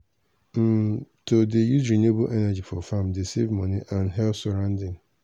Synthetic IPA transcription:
m̩tʰodejuzɹĩnebolʔɛnad͡ʑifɔfãmdesevmɔ̃nĩʔãnɦɛlfsɔɾãʊndɪ̃ŋ

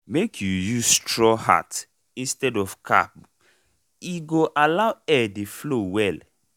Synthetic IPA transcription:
mekʰjujustɹɔha̰t | ĩnstɛdɔfkʰa̰p̚ | iɡoʔalaʊɛdeflowɛl

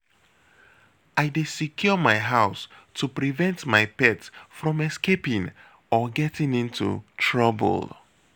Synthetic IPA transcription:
aɪdesikʰjɔmaɪɦaʊstʰupɹivɛ̃ntmaɪpɛtsfɹɔ̃mɛskepĩŋ | ɔɡɛtĩŋĩntʰṵtʰɹɔbə̰lˠ

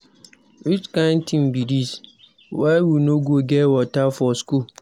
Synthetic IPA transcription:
ɾit͡ʃkãntʰĩnbidis | wawunõɡoɡɛwɔtafɔskul

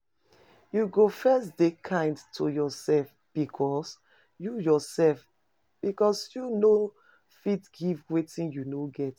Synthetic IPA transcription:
juɡofɛsd̥ekʰãɪ̃ndtʰujɔsɛlf | b̥ikʰɔs | jujɔsɛlf | b̥ikɔsjuno | fitɡivwetĩnjunoɡɛt

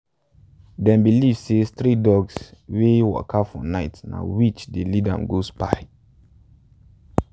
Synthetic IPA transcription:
dɛ̃mbilivsest̪ɾidɔɡswewɔ̰kʰafɔ̰naɪtna̰wit͡ʃdelidã̰mɡospa̰ɪ

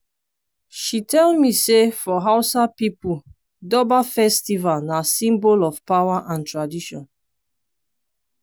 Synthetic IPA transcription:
ʃitʰɛlmisefɔɦaʊsapipu | dɔbafɛstivalnasĩmbolɔfpawaʔãntɹadiʃɔ̃n

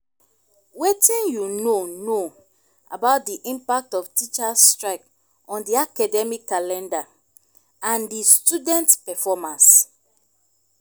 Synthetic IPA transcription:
wetĩnjunono | a̰baʊt̚diʔĩmpak̚tɔftit͡ʃastɹaɪk | ɔ̃ndiakadɛmikːalɛ̃nda | ãndistudɛ̃ntpɛfɔmãns

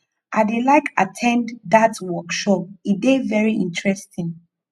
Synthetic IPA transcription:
ʔadelaɪkʰatʰɛ̃nddatwɔkʃɔp̚idevɛɹiʔĩntɹɛstʰĩŋ

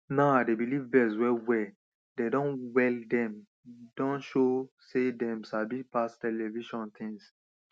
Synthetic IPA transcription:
nadebilivvɛswɛwɛ | dedɔ̃nwɛldɛ̃m | dɔ̃nʃo | sedɛ̃msabipastɛlɛviʃɔ̃nt̪ʰĩŋs

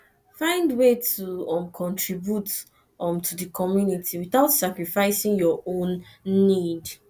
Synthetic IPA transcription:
fãɪ̃ndwetʰuɔ̃mkʰɔ̃ntʰɹibjut | ɔ̃mtʰudəkʰɔmjunitʰiwiθaʊtsakɹifaɪsĩŋjɔʔõnːid

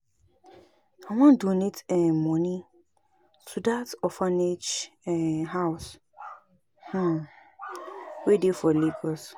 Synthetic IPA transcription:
ãwãndunitɛmɔ̃nĩ | sudatɔfanet͡ʃɛɦaʊs | h̩ | wedifɔliɡɔs

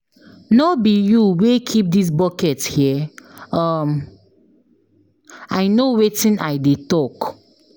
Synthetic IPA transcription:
nobijuwekʰip̚dis̬bɔkɛthiəʌm | ajnowetĩnajdetɔk

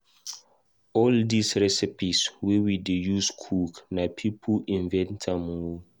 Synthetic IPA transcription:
ɔldisɹɛsipiswewidejuskʰuknapʰipʰuĩnvɛ̃ntʰamo

